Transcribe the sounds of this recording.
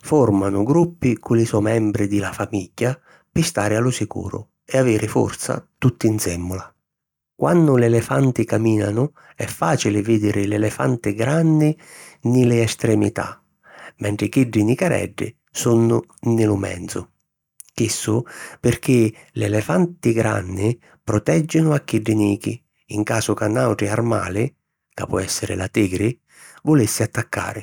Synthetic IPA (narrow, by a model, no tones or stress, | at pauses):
fɔrmanʊɡɾupːɪkʊlɪsɔmɛmbɾɪd̪ɪlafamiɟːa | pɪst̪aːɾɪalʊsikṵːɾʊ̰ | ɛaveːɾɪfɔ̰rt̪sa̰t̪ut̪ːinsɛmːʊla | kwanːʊlɛlɛfant̪ɪkamiːnanʊ | ɛfːaːt͡ʃilɪvɪd̪ɪɾʔɪlɛlɛfant̪ɪɡɾanːɪnɪlɪɛst̪ɾɛmḭt̪a̰ | mɛɳʈ̪ɾɪk̟iɖːɪnikaɾɛ̰ɖːɪ̰ | sunːʊ | nɪlʊmɛ̰nt̪sʊ | kisːʊpɪrk̟ɪ | lɛlɛfant̪ɪɡɾa̰nːɪ | pɾɔt̪ɛd͡ʒːɪnʊakːiɖːɪniːkiː | ŋkaːsʊkanːawʈ̪ɾɪarma̰ːlɪ | ka̰pɔɛsːɪɾɪ̰lat̪iːɡɾɪ | vʊlisːɪat̪ːakːa̰ːɾɪ